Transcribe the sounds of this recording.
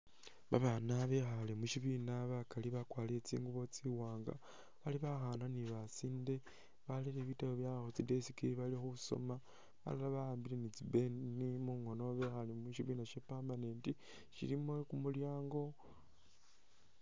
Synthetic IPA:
βa̰βanaβe̞xalemuʃiβinaβakaliβakwaːliet͡sḭːŋɡuβo̞t͡siwaːŋɡa̰ | βaliβaxaːnaniβasiːnde̞ | βaleɾeβitaβoβjaxot͡side̞sikiβalixuso̰ma | βa̰lalaβaaːmbilenit͡sibe̞nimuŋo̞no̞βe̞xalemuʃiβiːnaʃepaːmbaneːndi | ʃḭɾimwekumuljaːŋɡo̞

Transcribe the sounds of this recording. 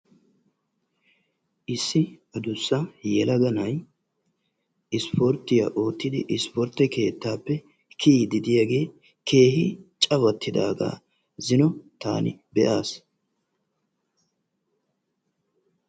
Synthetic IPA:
ʔɪsːɪɐd̪ʊsːɐjɛlɐɡɐnɐj | ɪspʰɔɾt̪ːɪjɐ̰ʔo̞ːt̪ːɪd̪ɪ̰ʔɪspɔɾt̪ːɛke̞ːt̪ːaːpːɛ | kʰiːd̪ɪd̪ɪjaːɡe̞ː | kʰe̞ːhɪt͡ʃʼɐβɐt̪ːɪd̪a̰ːɡa̰ː | zɪnɔt̪a̰ːnɪbɛʔaːs

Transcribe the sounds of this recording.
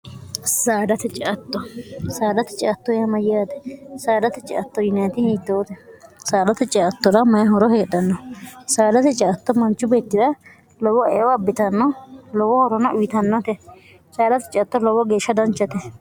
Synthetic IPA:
saːd̪ɐt̪ɛt͡ʃʼɛʔɐt̪ːɔsaːd̪ɐt̪ɛ̥t͡ʃʼɪɐt̪ːɔjɐmɐjɪaːd̪ɛ̥saːd̪ɐt̪ɛt͡ʃʼɪʔɐt̪ːɔjɪnɐjɐt̪ɪhiːt̪ːɐwt̪ɛsaːd̪ɐt̪ɛt͡ʃʼɛɐt̪ːɔd̪ɐmɐjɐɦɔɾɔheːɗɐnːɔsaːd̪ɐt̪ɛt͡ʃʼɛɐt̪ːɔmɐnt͡ʃːʊbeːt̪ːɪd̪ɐ | lɔwɔɛ̰ʔɔɐbːɪt̪ɐnːɔlɔwɔhɔɾɔnɐʔʊjɪt̪ɐnːɔt̪ɛ | saːd̪ɐt̪ɛt͡ʃʼɪɐt̪ːɔlɔwɔɡe̞ːʃːɐd̪ɐnt͡ʃːɐt̪ɛ

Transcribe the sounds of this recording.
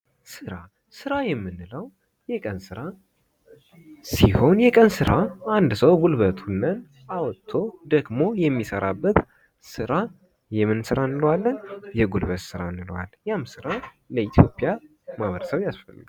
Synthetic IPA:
sɨɾa | sɨɾajɛmːɨnːɨləw | jɛkʼənsɨɾa | siho̞njɛkʼənsɨɾʔaand̪səwɡulβət̪ʰunːən | awɔt̪ʰːo̞d̪əɡmo̞jɛmːisəɾabːət̪ | sɨɾa | jɛmːɨnsɨɾanːɨlwalːənjɛɡulbət̪sɨɾanːɨlwa̰ljamsɨɾa | ləit̪ʰjo̞pʼija | maβəɾəsəβjasfə̰lːɨɡ

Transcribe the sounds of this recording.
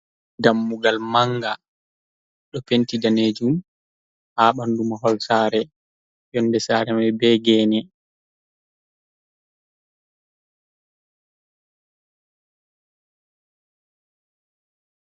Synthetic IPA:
damːuɡalmaŋɡa | ɗɔpentidaned͡ʒum | haːɓandumaɦɔlsaːɾɛ | jɔnːdɛsaːɾɛmajbɛɡɛːnɛ

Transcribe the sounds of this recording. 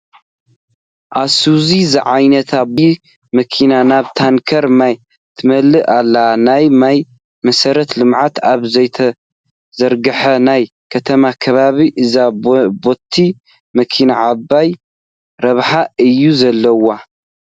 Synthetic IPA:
ʔasuzizɨʕajnɐt̪ʰab | mɐkʰinanaβt̪ʰaŋkʰɐɾmaj | t̪ʰɨmɐlːɨʔalːanajmaj | mɐsɐɾɐt̪lɨmʕat̪aβzɐjt̪ʰɐ | zɐɾɡɐħɐnaj | kʰɐt̪ʰɐmakʰɐβaβiʔɨzabo̞t̪ʰːi | mɐkʰinaʕabːaj | ɾɐβħaɨjːuzɐlːɐwa

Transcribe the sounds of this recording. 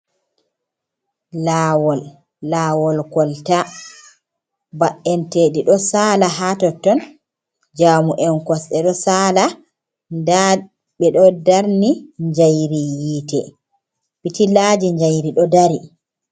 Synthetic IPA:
lawɔlː | aːwɔlkɔlta | baʔːɛnteːdiɗɔsaːlaɦatɔtːɔn | d͡ʒaːmuʔɛnkɔsɗɛɗɔsaːla | da | ɓɛɗɔdaɾniɲd͡ʒajɾijiːtɛ | bitilad͡ʒiɲd͡ʒajɾiɗɔdaɾi

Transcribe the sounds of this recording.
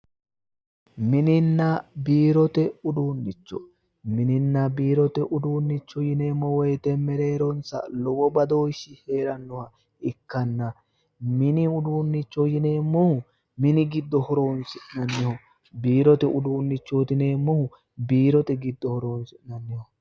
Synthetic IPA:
mɪnɪnːɐbiːɾɔt̪ɛʊd̪uːnːɪt͡ʃːɔ̰ | mɪnɪnːɐbiːɾɔt̪ɛʔʊd̪uːnːɪt͡ʃːɔjɪneːmːɔwɔjt̪ɛmɛɾe̞ːɾɔnsɐ̰lɔwɔbɐd̪oːʃɪhe̞ːɾɐnːɔhɐ | ɪkːɐnːɐ | mɪnɪʊd̪uːnːɪt͡ʃːɔjɪneːmːɔhʊ | mɪnɪɡɪd̪ːɔhɔɾo̞ːnsɪʔnɐnːɪhɔ | biːɾɔt̪ɛʊd̪uːnːɪt͡ʃːoːt̪ɪneːmːɔhʊ | biːɾɔt̪ɛɡɪd̪ːɔhɔɾoːnsɪnɐnːɪhɔ

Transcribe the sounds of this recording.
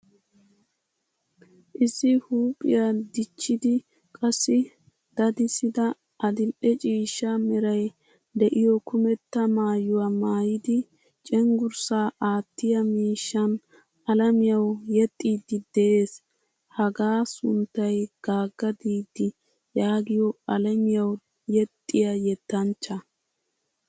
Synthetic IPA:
ʔɪsɪhuːpʼɪ̰jad̪ɪt͡ʃːɪd̪ɪ | kʼɐsːɪ | d̪̥ɐd̪ɪsɪd̪ɐ | ʔɐd̪ɪlʔɛt͡ʃʼiːʃːɐmɛɾɐj | d̪ɛʔɪjɔkʊmɛt̪ːɐmaːjʊwamaːjɪd̪ɪ | t͡ʃʼɛŋɡʊɾsaːʔaːt̪ːɪjɐmiːʃːɐn | ɐlɐmɪjɐwjɛt̪ʼːiːd̪ɪd̪ɛʔeːs | hɐɡaːsʊnt̪ːɐjɡ̥aːɡːɐd̪iːd̪ːɪ | jaːɡɪjɔɐlɐmɪjɐw | jɛt̪ʼːɪjɐjɛt̪ːɐnt͡ʃːɐ

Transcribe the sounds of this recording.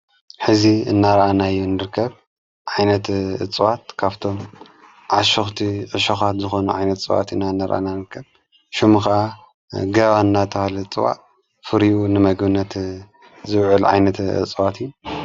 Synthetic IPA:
ħɨziɨ̰nːaɾʔanajːunːɨɾɨkʰːɐβ | ʕajnɐt̪ɨ̰t͡sʼwat̪̚kʰaβt̪ʰo̞m | ʕaʃoxt̪ʰiʕɨʃoxat̪zɨxo̞nuʕajnɐt̪ɨt͡sʼwa̰t̪ɨnːaɨnːaɾʔa̰nanɨɾkʰːɐβ | ʃumuxɐʔa | ɡɐβanːat̪ʰɐhalɐt͡sʼwa̰ʔ | fɨɾiunɨmɐɡbɨnːɐt̪ | zɨβʕɨlʕa̰jnɐt̪ɨ̰t͡sʼwat̪ijːu

